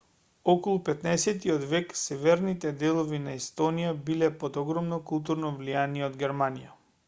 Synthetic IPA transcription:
ɔkɔlˠupɛt̪naɛsɛt̪iɔd̪vɛksɛvɛɾnit̪ɛd̪ɛlˠɔvinaɛst̪ɔnijabilɛpod̪ɔɡɾɔmnɔkulˠt̪̬uɾnɔvlijaniɛod̪ɡʲɛɾmanija

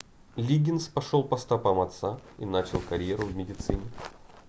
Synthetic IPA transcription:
lʲiɡʲɪnspɐʂolˠpɐst̪ɐpamɐt̪saḭnat͡ɕɪlˠkɐɾʲjeɾʊvmʲɪdʲɪt̪sɨnʲɪ

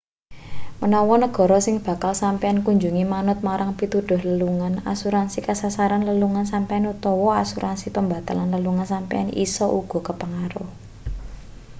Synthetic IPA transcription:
mənɔwɔnəɡ̥ɔ̤ɾɔsɪŋb̥ä̤kalsampeankuɲd͡ʒuŋimanʊt̪̚maɾaŋpit̪uɖ̪̥ʊ̤hləluŋana̰suɾansikasasaɾanləluŋansampɛanut̪ɔwɔasuɾʔansipəmba̤t̪alanləluŋansampḛa̰nḭsɔʔuɡ̥ɔ̤kəpəŋaɾʊh

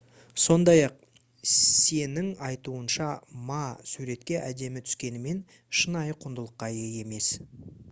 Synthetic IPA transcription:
so̞nd̪ɑjɑq̚ | se̞nɪŋɑjt̪uənʃɑmɑsuɾe̞t̪̚kʲe̞ʔæd̪e̞mɪt̪ʰʏ̥skʲe̞nɪme̞n | ʃənɑjəqʰʊnd̪əlˠəqːɑje̞je̞me̞s

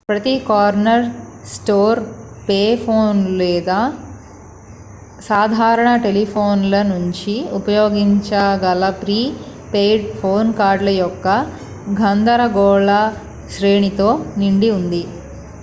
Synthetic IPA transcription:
pɾɐt̪ikaːɾnɐɾsʈoːɾ | peːpʰoːnlɛːd̪aː | saːd̪ʱaːɾɐɳɐʈe̞lipʰoːnlɐnuɲt͡ʃiupɐjoːɡiɲt͡ʃaːɡɐlɐpɾiːpeːjɖpʰoːnkaːɾɖlɐjɔkːɐ | ɡʱɐnd̪ɐɾɐɡɔːɭɐ | ʃɾeːɳit̪o̞ːniɳɖiund̪i

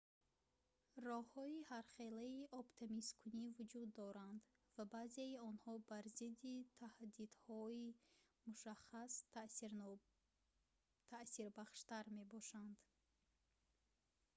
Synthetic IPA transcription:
rɔhɔihaɾχe̞laiʔɔpt̪ʰemiskʰunivud͡ʒud̪ːɔɾand̪ | vabazeiɔnhɔbaɾzid̪it̪ʰahd̪id̪̥hɔi | muʃaχas | t̪ʰasiɾbaχʃt̪aɾme̞bɔʃand̪

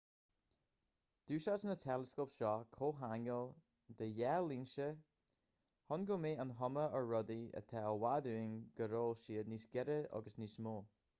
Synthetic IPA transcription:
d̪̥uːʃasnətʰɛləskopʃɔkʰoːɦanjəlˠ | d̪əjɛlinʃə | hɔnɡomeːənɦɔməəɹɔd̪iə̰t̪ʰɛlˠwaduːɪŋɡ̥əɾoːlʃiːədnisɡɛɾəɔ̰ɡəsnismoː

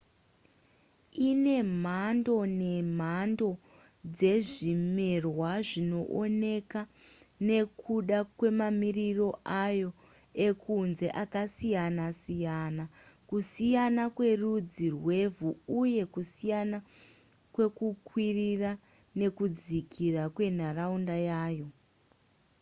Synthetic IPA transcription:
ine̞m̤ando̞ne̞m̤ando̞ | d͡ze̞ʐimerwaʐino̞ʔone̞ka | ne̞kʰuɗakwe̞mamiriro̞ʔajo̞ | e̞kʰunze̞ʔakasijanasijanakusijanakwe̞rud͡zirwe̞vʱuuje̞kusijana | kwe̞kukwirira | ne̞kud͡zikʰirakwe̞n̤araundajaːjo̞

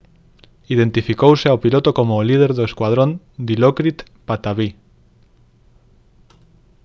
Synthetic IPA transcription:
iðẽ̞nt̪ifikowseawpilot̪okomolið̞e̞ɾðoeskwað̞ɾon | d̪ilokɾit̪ | pat̪aβi

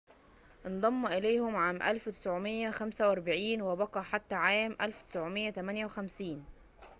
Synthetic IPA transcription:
ʔend̪ˤɑmːuʔɪlæjhʊmʕaːmʔæ̰lfwt̪ɪ̥sʕomejːæxæmsæwʔɑɾˤbaʕiːnwɪbɑqɑħat̪ːæʕaːmʔælft̪ɪ̥sʕomɪjːæt̪æmænjæwexæmsiːn

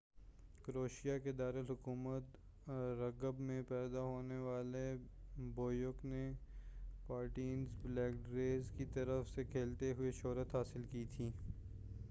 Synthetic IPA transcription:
kəɾoːʃijaked̪aːɾəlɦʊkuːmət̪ | ɾɐɡəbmẽpɛːd̪aɦoːneʋaːleboːjokne | paːɾʈiːnzblɛːk̚ɖɾeːzkit̪ɐɾəfsekʰeːlt̪eɦʊeʃɔːɾət̪ɦaːsɪlkit̪ʰiː

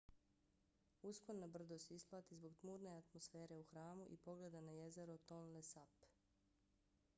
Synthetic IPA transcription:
uskonːabr̩d̪ost̪isplˠaːt̪izbo̞ɡt̪muːɾne̞at̪mosfe̞ːɾe̞uxɾaːmuʔipo̞ɡle̞d̪anaje̞ze̞ɾot̪onlesap

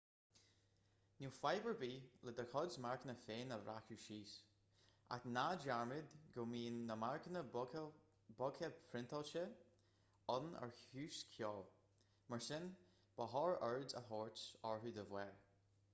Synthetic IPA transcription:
nuːfajbəɹbiːlɛd̪əɹkʰɔdzmaɹkənəfeːnəvɾʔakuʃiːs | ʔa̰knad͡ʒaɹmɪd̪ɡoːmiːnːəmaɹkənə | bɔkʰəpʰɾɪnt̪ʰɔlt͡ʃə | ɔnə̰ɹçʉːskʰjɔːl | məɹsɪn | b̥əɦɔːɹəɹdzə̰ɦɔɹtsɔɹɦuːd̪əvwɛɹ

